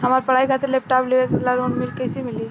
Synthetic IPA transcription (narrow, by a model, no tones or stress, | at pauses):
ɦəmaɾpəɽaikʰat̪elep̚ʈapleʋeklaɾonmɪlkəjsimili